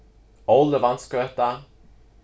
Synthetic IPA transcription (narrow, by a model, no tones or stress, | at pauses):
ɔld̪əvant̪skɛt̪ːa